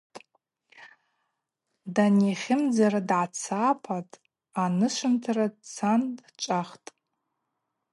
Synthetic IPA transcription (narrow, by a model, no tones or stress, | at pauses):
tʼ | daneχʲɪmd͡zaradʕat͡sʰapʰatʼ | anɨʃʷɨntʰarat͡sʰandt͡ʃʷʼaχtʼ